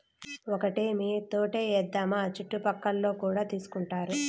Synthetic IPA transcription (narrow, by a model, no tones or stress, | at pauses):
ɔkɐʈeːmiːt̪oːʈeːɛːd̪ːamat͡ʃiʈːupɐkːɐlːo̞ːkuːɽaːt̪iːsu̥kuɳʈaːɾu